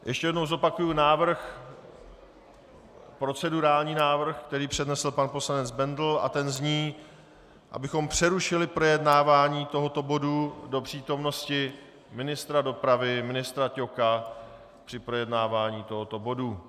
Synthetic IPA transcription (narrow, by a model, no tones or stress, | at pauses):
jʔɛʃcɛjɛdno̞wzo̞pakujunaːvr̩x | pɾo̞t͡sɛduɾaːlɲiːnaːvr̩xkt̪ɛɾiːpr̝̥ɛdnɛsl̩panpo̞slanɛd͡zbɛndl̩a̰t̪ɛnzɲiː | ʔa̰bɪxo̞mpr̝̥ɛɾuʃɪlɪpɾo̞jɛdnaːvaːɲiːt̪o̞ɦot̪o̞bo̞dudo̞pr̥iːt̪o̞mno̞scɪ | mɪnɪst̪ɾado̞pɾavɪmɪnɪst̪ɾaco̞ka | pr̥ɪpɾo̞jɛdnaːvaːɲiːt̪o̞ɦo̞t̪o̞bo̞du